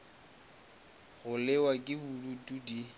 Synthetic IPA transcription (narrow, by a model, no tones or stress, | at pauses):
ɣʊlɪwakʼɪbulutʼudi